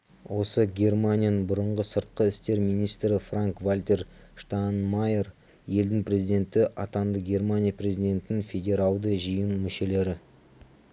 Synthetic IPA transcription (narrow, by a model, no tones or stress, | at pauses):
wo̞səɡʲe̞rmanʲijanəbʊɾəɴʁəsəɾt̪qəɪst̪e̞ɾmijnijst̪ɾɪfraŋkvalʲt̪ʲe̞rʂt̪anmaje̞r | je̞ld̪ɪŋpre̞zijd̪ʲe̞nt̪ɪʔɑt̪ɑnd̪əɡʲe̞rmanʲijapre̞zid̪ʲe̞nt̪ɪnɪŋfʲe̞dʲe̞ɾɑlˠd̪əʒijənmʏʃe̞le̞ɾɪ